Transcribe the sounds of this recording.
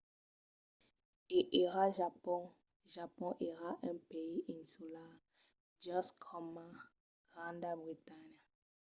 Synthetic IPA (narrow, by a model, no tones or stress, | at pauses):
eʔeʁaʒapɔ̃ | ʒapɔ̃ʔeʁaʔɛ̃peiʔĩnsula | d͡ʒɔskʰɔma | ɡʁãndabʁitanja